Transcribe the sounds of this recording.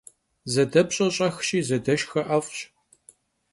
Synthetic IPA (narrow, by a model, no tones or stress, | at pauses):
zɐdɐpɕʼɐɕʼɐxʃʼiːzɐdɐʃxɐʔɐfʼɕ